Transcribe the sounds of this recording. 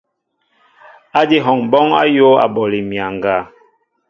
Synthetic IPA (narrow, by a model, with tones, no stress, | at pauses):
a˦di˦ɦɔ˨ŋbɔ˦ŋa̰˦jo˦a̰˨bɔ˨li˨mja˨ŋ˨ɡa˨